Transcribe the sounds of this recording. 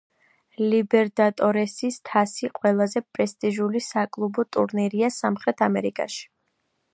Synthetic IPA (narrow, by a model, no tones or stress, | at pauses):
libɛɾd̪at̪ʼɔɾɛsist̪ʰasiqʼwɛlˠazɛpʼɾɛst̪ʼiʒulisakʼlˠubɔt̪ʼṵɾniɾiasamχɾɛt̪ʰamɛɾikʼa̰ʃi̥